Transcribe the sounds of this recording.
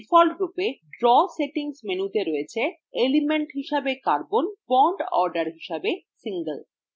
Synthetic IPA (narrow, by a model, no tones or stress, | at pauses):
fɔlɡɾupeɖɾɔseʈiŋsmenut̪eɾojet͡ɕʰe | elimeɳʈɦiʃabekaɾbonbɔɳɖɔ̰ɾɖaɾɦiʃabesiŋɡəl